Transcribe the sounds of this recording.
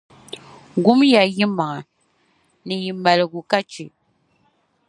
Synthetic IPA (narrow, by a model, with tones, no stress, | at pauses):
ɡu˦mja˨ji˦ma˨ŋa˨ | nɨ˨ji˨ma˨lɨ˨ɡu˨ka˦t͡ʃi˨